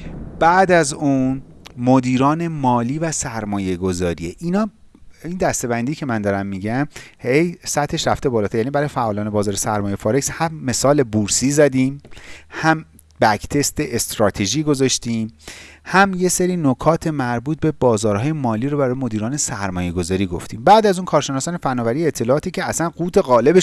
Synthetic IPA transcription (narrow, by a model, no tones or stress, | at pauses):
b̥æːd̪æzuːnmod̪iːɾɒːne̞mɒːliːvæsæɾmɒːje̞ɡo̞zɒːɾie̞ʔinɒːiːnd̪æst̪e̞bænd̪iːcʰe̞mænd̪ɒɾæmːiːɟæmhe̞jsæt̪ʰhe̞ʃɾæft̪e̞bɒːlɒt̪ʰæɾejænibæɾɒːjefæʔɒːlɒːne̞bɒːzɒːɾesæɾmɒːjefɒːɾekshæmːe̞sɒːle̞buɾsiːzæd̪iːmhæm | bækt̪ʰe̞st̪eʔest̪ɾɒːt̪ʰeʒiːɡozɒʃt̪iːmhæmje̞seɾiːnokʰɒːt̪ʰe̞mæɾbuːt̪̚be̞bɒːzɒːɾhɒːje̞mɒːliːɾobæɾɒːjemo̞d̪iːɾɒːne̞sæɾmɒːje̞ɡo̞zɒːɾiːɡo̞ft̪iːmbæːd̪æzunkʰɒːɾʃenɒːsɒːnefænːɒːvæɾijeːt̪ʰːe̞lɒːt̪ʰiːcʰeæsænɢuːt̪ʰe̞ɣɒːle̞be